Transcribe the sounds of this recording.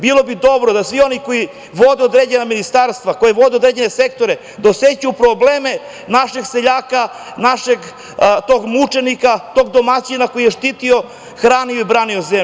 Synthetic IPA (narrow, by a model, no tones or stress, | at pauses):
bilˠo̞bid̪o̞bɾod̪asʋio̞niko̞ji | ʋo̞d̪eod̪ɾed͡ʑenaminist̪aɾst̪ʋako̞jeʋo̞d̪eod̪ɾed͡ʑe̞nese̞k̚t̪o̞ɾe | d̪aoset͡ɕupɾobleːme̞ | naʃeɡseʎaːka | naʃeɡ | t̪o̞ːɡmut͡ʂe̞nikat̪o̞ːɡ̚d̪o̞mat͡ɕinako̞jijeʃt̪it̪io̞ | xɾaːnijoibɾaːniozem